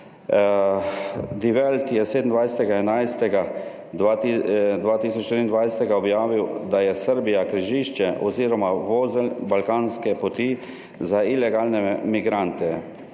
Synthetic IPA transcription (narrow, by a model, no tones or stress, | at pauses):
d̪iʋɛlt̪jɛseːd̪n̩d̪ʋajsɛt̪ɛɡaɛnajst̪ɛɡa | d̪ʋaːt̪iːsɔt͡ʃt̪iɾind̪ʋajsɛt̪ɛɡaɔbjaːʋiwd̪ajɛsəɾbijakɾiʒiʃt͡ʃɛʔɔziːɾɔmaʋoːzɛlbalkaːnskɛpɔt̪i | zailɛɡaːlnɛmiɡɾant̪ɛ